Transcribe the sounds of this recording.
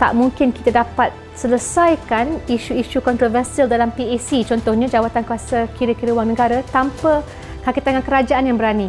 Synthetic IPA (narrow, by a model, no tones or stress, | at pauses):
t̪a̰ʔmũŋkɪnki̥t̪adapat̪̚ | sələsajkaniʃuiʃukɔnt̪ɾovərsialdalampiesit͡ʃɔnt̪ɔhɲãd͡ʒawat̪ankuasakiɾəkiɾəwaŋnəɡaɾat̪ampə | kakit̪aŋankəɾad͡ʒaanjaŋbəɾani